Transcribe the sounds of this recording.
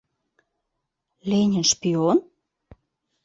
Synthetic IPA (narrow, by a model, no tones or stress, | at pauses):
lenʲə̆nʃpion